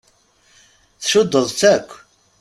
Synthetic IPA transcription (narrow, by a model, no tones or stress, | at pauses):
θʃʊd̪ːəðˤt͡sækʷː